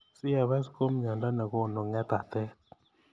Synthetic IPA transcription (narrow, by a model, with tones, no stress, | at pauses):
sɪ˦ja˨βɛ˦sko˦mɲa˨nda˦na˨kɔ˦˨no˨ŋɛ˦t̪a˨t̪ɛ˦